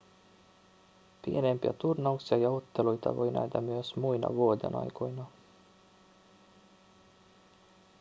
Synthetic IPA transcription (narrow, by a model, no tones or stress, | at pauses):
pienempjɑ̰t̪urnouksjɑjɑut̪ːelujt̪ɑ̰ʋojnʔɑ̰d̪ɑmyøsmujnɑ̰ʋoːd̪ḛnɑ̰jkʰojnɑ